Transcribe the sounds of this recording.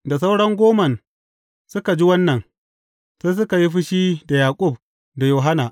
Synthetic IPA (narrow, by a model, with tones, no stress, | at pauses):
da˨s̬a˦wɽɐ˦ŋɡʷoː˦mɐ˨n | sʊ˦ka˨d͡ʒi˦wɐ˦nːɐ˨n | saː˦s̬ʊ˦ka˨ji˦ɸɪ˦ʃiː˦da˨jaː˨kʷʼʊ˦˨b̚ | da˨joː˨ɦa˦naː˨ʔ